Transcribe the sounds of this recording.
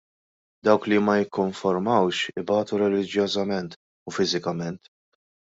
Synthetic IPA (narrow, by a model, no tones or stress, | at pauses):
d̪ɐwklimɐjɪkːɔɱfɔɾmɐwʃɪbɐːt̪uɾɛlɪd͡ʒjɔːzɐmɛnt̪ | ufɪzɪkɐmɛnt̪